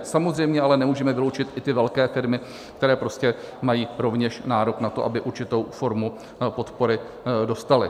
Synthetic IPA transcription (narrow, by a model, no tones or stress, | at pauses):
samozrɛjmɲɛalɛnɛmuːʒɛmɛvɪlowt͡ʃɪt̪ʔɪt̪ɪvɛlkɛːfɪɾmɪ | kt̪ɛɾɛːpɾo̞scɛmajiːɾo̞vɲɛʃnaːɾo̞knat̪o̞ʔabɪʔuɾt͡ʃɪt̪o̞wfo̞ɾmu | po̞t̪po̞ɾɪ | do̞st̪alɪ̰